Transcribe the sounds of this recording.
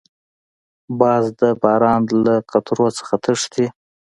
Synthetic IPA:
bɑːzd̪əbɑːɾɑnlaqat̪ɾot͡sə̥xat̪ʰəʂt̪i

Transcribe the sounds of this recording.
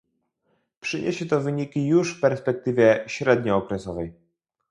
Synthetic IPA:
pʂɘɲʔḛɕɛt̪ɔvɘɲikʲijuʂfpɛɾspɛk̚t̪ɘvʲjɛɕɾɛd̪ɲɔːkɾɛsɔvɛj

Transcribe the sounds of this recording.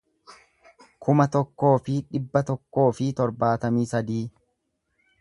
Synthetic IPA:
kʰʊmɐt̪ɔkːo̞ːfɪᶑɪbːɐt̪ɔkːo̞ːfɪt̪ɔɾbaːt̪ɐmiːsɐd̪iː

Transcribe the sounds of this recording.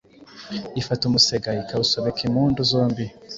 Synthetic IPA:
ifatumuseɡaikausoβekʰimuːnduzo̞ːmbi

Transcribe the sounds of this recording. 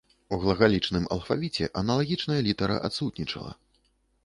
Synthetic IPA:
uɣlˠɐɣalʲit͡ʂnɨmɐ̰lˠfavʲit͡sʲɛʔɐnɐlˠaɣʲit͡ʂnɐjɐlʲit̪ɐɾɐ̰ʔat̪sut̪ʲnʲit͡ʂɐ̰lˠɐ̰

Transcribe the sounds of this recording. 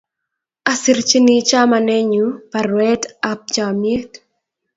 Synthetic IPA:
asiɾt͡ʃinit͡ʃamanɛɲupaɾwɛtap̚d͡ʒamjet

